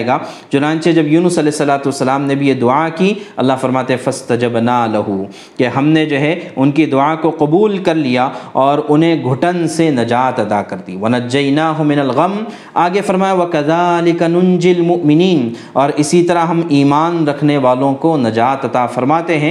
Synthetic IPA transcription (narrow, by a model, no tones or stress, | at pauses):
eɡaːt͡ʃʊnãːnt͡ʃed͡ʒɐbjuːnʊsɐlɛːɪsːɐlaːt̪uɐsːɐlaːmnebʱijed̪ʊakiɐ̰lːaɦfɐɾmaːt̪ẽɦɛ̃fɐst̪ɐd͡ʒɐbnaːlɐɦu | keɦɐmned͡ʒoɦɛʊnkid̪ʊakoqɐbuːlkɐɾlijaɔːɾʊnɦẽɡʱʊʈənsenɐd͡ʒaːt̪ɐt̪akɐɾd̪ḭːʋɐnɐd͡ʒːɐjnaːɦʊmɪnɐlɣɐm | aːɡefɐɾmaːjaʋɐkɐðaːlɪkɐnʊnd͡ʒɪlmʊʔmɪniːn | ɔːɾɪsit̪ɐɾaɦɐmiːmaːnɾɐkʰneʋaːlõkonɐd͡ʒaːt̪ɐt̪afɐɾmaːt̪eɦɛ̃ː